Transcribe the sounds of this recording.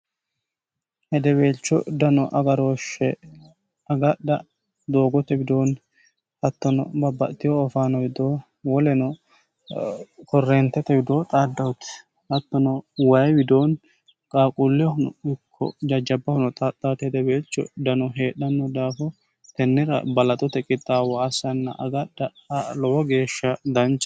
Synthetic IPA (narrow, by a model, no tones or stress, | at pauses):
hɛd̪ɛbeːlt͡ʃːɔ̰d̪ɐnɔʔɐɡɐɾo̞ːʃːɛ | ɐɡɐɗɐ | d̪o̞ːɡɔt̪ɛbɪd̪oːn | hɐt̪ːɔnɔ̰bɐbːɐ̰ʔt̪ːɪjɔːfaːnɔbɪd̪oː | wɔlɛnɔ | kʰɔrːɛːnt̪ːɛt̪ɛbɪd̪oːt̪ʼaːd̪ːɐwʊt̪ɪ̥ | hɐt̪ːɔnɔwɐjwɪd̪oːn | kʼaːkʼʊlːɛʊnɪkʰːɔ̰d͡ʒɐd͡ʒːɐbːɐhʊnɔt̪ʼat̪ʼːaːt̪ɛd̪ɛbeːt͡ʃːɔ̰d̪ɐnɔɦe̞ːɗːɐnːɔd̪aːfɔ | t̪ɛnːɪɾɐ̰bɐlɐt̪ʼɔt̪ɛkʼɪt̪ʼːaːwɔːsɐnːɐ̰ʔɐɡɐɗɐ | lɔʔɔɡe̞ːʃːɐd̪ɐnt͡ʃː